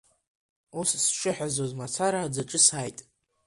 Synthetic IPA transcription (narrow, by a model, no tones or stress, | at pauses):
ussʃɨħʷᶣazozmat͡sʰaɾaːd͡zaʈ͡ʂʼɨsajtʼ